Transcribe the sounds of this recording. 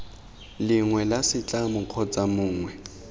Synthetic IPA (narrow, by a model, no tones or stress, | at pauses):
lɪŋwɛlasɪt͡ɬʼamʊq͡χʰɔt͡sʼamʊːŋwɛ